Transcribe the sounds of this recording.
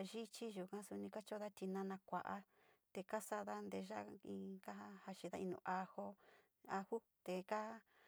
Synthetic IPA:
ʒi˦t͡ʃi˦ʒu˨kã˦su˧nĩ˧ka˦t͡ʃo˦ða˦t̪i˧nã˧nã˧kʷa˨ʔa˧ | t̪e˧ka˦sa˧ða˦nd̪e˧ʒa˦ĩ˧ka˦ha˦ha˧t͡ʃi˧ða˦ĩ˧nṵ̃ː˧˨ʔa˧ho˧ | a˧hu˦ | t̪e˨ka˦

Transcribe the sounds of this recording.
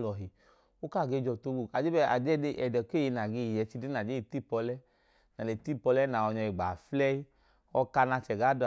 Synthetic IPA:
lɔ˨ɦi˨ | o˦ka˦˨ɡe˧˦˨d͡ʒɔ˧˨to˧˦ɡu˨a˨d͡ʒe˦bɛ˧a̰˨d͡ʒɛ˦e˧˦ʔɛ˨dɛ˨ke˦˨e˧na˨ɡe˧˨jɛ˨˧˦t͡ʃi˧de˦na˨d͡ʒe˨˦i˨ti˦˨pɔ˧lɛ˦ | na˨e˨ti˦˨pɔ˧lɛ˦na˨ɔ˧ɲɔ˧i˨ɡ͡ba˨flɛ˦i˦ | ɔ˧ka˧na˧t͡ʃɛ˨ɡa˨˦d

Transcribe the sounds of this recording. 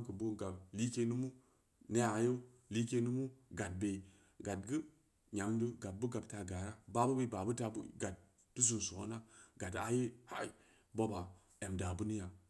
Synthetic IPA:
mkə˨bo˦nɡa˨bli˦ke˦nu˦mu˦ | ne˦a˨˦jo˦ | li˦ke˦nu˦mu˦ɡa˨t̚be˨i˨ | ɡa˨t̚ɡɨ˦ | ɲa˨mdɨ˦ɡa˨t̚bu˦ɡa˨b̚ta˨ɡa˨ɾa˦ba˨bu˦be˨˦ba˨bu˦ta˨bṵ˦ɡa˨t̚ː | u˦zu˨n˨so˨o˦na˦ɡa˨ta˦je˦ha˦i˨ | bo˦ba˨ | e˨mda˨bu˦ni˦ja˨

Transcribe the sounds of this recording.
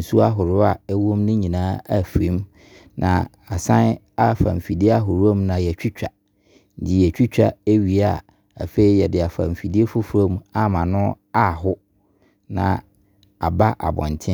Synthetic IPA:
n̩˨su˦a˦ɦʊ˨ɾʊ˦a˨ɛ˦wõ˦mnʊ̃˦ɲĩ˨nãː˦a̰˦fɾĩ˦m | nʔã̰˨ | a˨sã˦n | a˦˨fã̰˨ɱ˨fi˨di˦a˦ɦʊ˨ɾʊ˦o˦mnã˨jɛ˨t͡ɕᶣi˦t͡ɕᶣa˨ | n̩˦dɪ˨jɛ˨t͡ɕᶣi˦t͡ɕᶣa̰˨e˦ɥi˨a˦˨ | a̰˨fe˨i˦jɛ˨dɪ˨a˨fã̰˨m˨fi˨di˦e˦fʊ˦fɾõ˦ma˦mã˨nʊ̃˦ | a˦˨ɦʊ˦ | nã̰˨ | a˨ba˦ʔa̰˨bɔ̰̃˨n˨tʰɪ̃˦

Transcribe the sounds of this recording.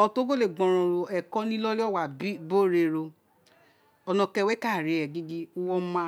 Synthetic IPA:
ɔ˧to˦ɡo˦le˨ɡ͡bɔ̃˨ɾ̃ɔ̃˧˨ɾo˧ɛ˨kɔ˦nĩ˦lɔ˦li˦ɔ˦˨wa˨bi˦bo˦˨ɾe˧˨ɾo˧ | ɔ˧nɔ̃˧kɛ˧wɛ˦ka˦˨ɾe˨˦ɛ˨ɡi˦ɡi˦u˦wɔ˦mã˧˦

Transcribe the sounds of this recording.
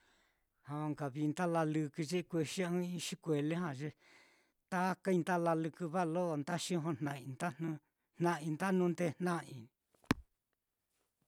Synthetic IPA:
hã˧o˧ŋɡa˨βi˧nd̪a˦la˧lɨ˧kɨ˧ʒi˦˧kʷe˧ʃi˦ɨ̃˦ĩ˧ʃi˦kʷe˨le˦ɦã˧˨ʒe˧ | t̪a˦ka˦ĩ˧nt̪a˦la˧lɨ˧kɨ˧βa˦lo˦ʔnd̪a˦ʃĩ˦ɦõ˧nnã˧ĩ˧nd̪a˦nũ˧ | n̥nã˦˧ĩ˧nd̪a˦nũ˦˧nd̪e˧n̥nã˦ĩ˧˨

